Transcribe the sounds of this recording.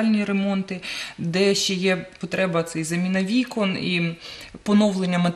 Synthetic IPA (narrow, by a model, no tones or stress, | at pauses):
ɑlʲnʲiɾemɔnt̪ɪd̪ɛʃt͡ʃɛjɛpɔt̪ɾɛbɐt̪sɛjzɐmʲinɐʋʲikɔnḭpɔnɔwlˠenʲːɐmɐt̪